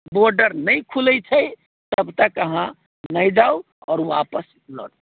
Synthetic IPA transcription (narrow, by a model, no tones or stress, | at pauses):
boɾɖəɾnəjkʰuləjt͡ʃʰəj | t̪əbt̪əkəɦã | nəjd͡ʒaw | ɔːɾʋapəs | lɔ̰ɽ